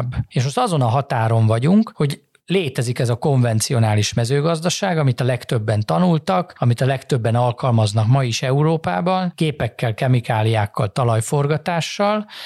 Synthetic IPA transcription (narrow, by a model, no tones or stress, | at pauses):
bːeːʃosɒzo̞nɒɦɒt̪aːɾo̞ɱvɒɟuŋkho̞ɟ | leːt̪ɛzikɛzɒko̞ɱvɛnt̪sijo̞naːliʃmɛzøːɡɒzd̪ɒʃaːɡɒmit̪ɒlɛkt̪ø̞bːɛnt̪ɒnult̪ɒkɒmit̪ɒlɛkt̪ø̞bːɛnɒlkɒlmɒznɒkmɒiʃɛuɾoːpaːbɒnkeːpɛkːɛlkɛmikaːlijaːkːɒlt̪ɒlɒjfo̞rɡɒt̪aːʃːɒl